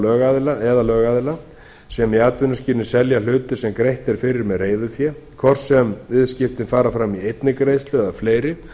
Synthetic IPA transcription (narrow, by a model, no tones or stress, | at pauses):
lœːɣaðɪlaʔɛðalœːɣaðɪla | sɛmiaːt̪vʏnʏsciːɾnɪsɛljalʏːt̪ʏ̥sɛmkɾejht̪ɛɾ̥fɪɾɪɾmɛðreːjðʏfjɛ | kʰvɔr̥sɛmvɪðscɪft̪ɪnfaːɾafɾamiejt̪nɪkɾeːjst̪lʏɛðafleːjɾɪ